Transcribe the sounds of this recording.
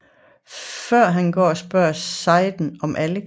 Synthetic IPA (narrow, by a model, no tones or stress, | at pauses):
fɶɐ̰ɦænɡ̥ɒ̰ːɒsb̥ɶɐ̰sɑ̈ɪd̥n̩ɒ̽mʔælə